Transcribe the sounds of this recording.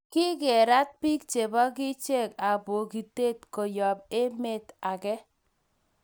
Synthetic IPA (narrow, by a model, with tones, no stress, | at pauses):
kɪ˦ɡɛ˨ɾa˦t̚pi˦k̚t͡ʃe˨bɔ˦k̬ɪ˦t͡ʃe˦˨ka˨bo˨ki˨te˦˨t̚ko˨jɔ˨b̚e˦me˦ta˨kɛ˦